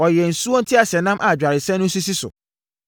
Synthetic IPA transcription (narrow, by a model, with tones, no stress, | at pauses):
ɔ˨jɛ˨n̩˨su˦ɔ˦n̩˦tʰɪ˦a˨sɛ˨nã˦mʔa˨d͡ʑᶣa˨ɾɪ˨sɛ̃˦nʊ̃˦s̬u˦si˦sʊ̰˨